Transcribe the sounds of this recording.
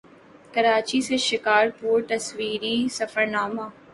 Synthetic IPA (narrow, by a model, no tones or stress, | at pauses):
kɐɾaːt͡ʃiseʃɪkaːɾpuːɾt̪ɐsʋiːɾisɐfəɾnaːmaː